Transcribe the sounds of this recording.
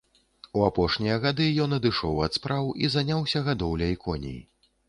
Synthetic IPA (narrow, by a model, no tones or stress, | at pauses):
uapɔʂnʲijɐɣad̪ɨjɔnɐd̪ɨʂɔwɐt̪spɾawizanʲawsʲɐɣad̪ɔwlʲɐikʰɔnʲḭḭ